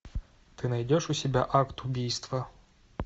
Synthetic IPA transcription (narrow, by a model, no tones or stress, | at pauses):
t̪ɨnɐjdʲɔʂʊsʲɪbʲaʔakt̪ʊbʲijst̪ʋɐ